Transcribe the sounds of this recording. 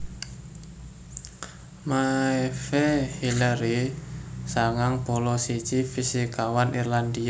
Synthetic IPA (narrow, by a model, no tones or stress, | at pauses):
maɛfehilaɾi | saŋaŋpɔlɔsit͡ʃifisikawanirland̪ia